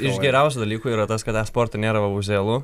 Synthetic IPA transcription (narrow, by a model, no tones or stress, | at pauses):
ɪʃɡʲɛɾʲɛʊsʲud̪ɐlʲiːkuːiːɾɐt̪ɐskɐt̪ʲæːspoːɾt̪ɐnʲeːɾɐʋɐʊzʲeːlˠʊ